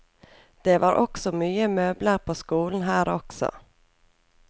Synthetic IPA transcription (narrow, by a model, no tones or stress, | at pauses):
d̪̥ɛvɑɾʔɔksɔmyːəmøːbləɾpʰɔskuːlnɦæːɾɔksɔ̰